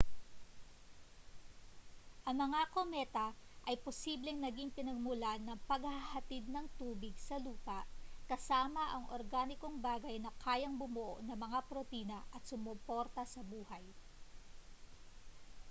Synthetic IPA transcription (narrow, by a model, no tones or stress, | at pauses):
ʔɐŋmɐŋakomɛːt̪ɐʔɐjposiːblɛŋnɐɡiŋpɪnɐɡ̚mʊlanɐŋpɐɡhɐhɐt̪id̪̚nɐŋt̪uːbɪɡsɐluːpɐʔkɐsaːmɐʔɐŋʔo̰ɾɡaːnɪkoŋbaːɡɐjnɐkʰaːjɐŋbʊmoʔo̰ʔnɐmɐŋapɾot̪iːnɐʔɐt̪̚sʊmopo̞ɾt̪ɐsɐbuːhɐj